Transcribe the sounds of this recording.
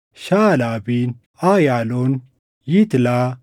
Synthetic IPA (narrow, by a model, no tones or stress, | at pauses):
ɕaːlaːbin | aːjaːlon | jit̪laː